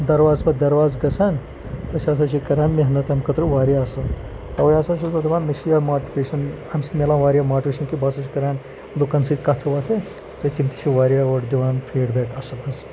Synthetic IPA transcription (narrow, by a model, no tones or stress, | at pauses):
d̪ɐɾʋaːzbɐd̪ɐɾʋaːzɡɐsaːn | ɐʃaːs̬ɐt͡ʃʰikɐɾaːnmeɦɐnɐt̪ɐmkɐt̪ɾuʋaːɾjaːsɐn | t̪ɐʋɐjaːsɐːnt͡ʃubɐd̪iʋaːnmɐsijaːmaːʈpeːʃɐn | ɐmsmelãːʋaːɾijaːmaːʈpʲeːʃɐnkibaːsɐt͡ʃʰikɐɾaːn | lukɐnsit̪kɐt̪ʰɐʋaːt̪ʰe | t̪ɐt̪imt̪i̥t͡ʃʰiʋaːɾjaɐʈd̪iʋaːnpʰiːɖbeːkɐsɐbɐz